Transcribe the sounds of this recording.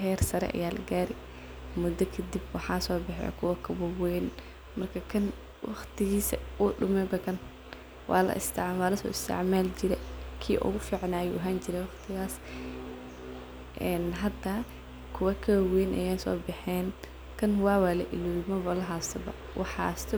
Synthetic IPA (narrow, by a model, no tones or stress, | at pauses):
ɦɛːrsɐɾɛ̰ʔɐ̰jaːlɐ̰ɡaːɾɛ | mʊd̪ɐkʰɐd̪ibwɑħɑːsɔːbɛħɛ̰ːkʰʊwɐkʰɐbɐwɛn | mɐrkʰɐkʰɐn | wʔɑ̰χt̪ʰɪɣiːsɐ̰uːɖʊmɛbɐkɐn | wʔɑ̰ːlɐ̰ʔɪ̰st̪ʰɪʕwaːlɐsɔ̰ːɪst̪ʰɪ̰ʕmaːlt͡ʃɪɾɛkʰiːʔɔ̰ɣʊfiːʕnaːjɔɦaːnt͡ʃɪɾɛwɑχt̪ʰɪɣaːs | ʔɛːnɦɐd̪aː | kʰʊwɐkʰɐwɐwɛːnʔɐ̰jɛːsɔ̰ːbɪħɛːn | kʰɐnwɑːwaːlɐʔɪluːlmɐβɐlɐɦaːsɐbɐ̰ | wʔɑ̰ħɑ̰ːst̪ʰɔ